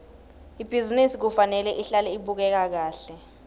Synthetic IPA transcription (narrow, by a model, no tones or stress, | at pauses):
ib̥ʱizinisik̬ufanɛlɛʔiɬalɛiɓuk̬ɛk̬ak̬aːɬɛ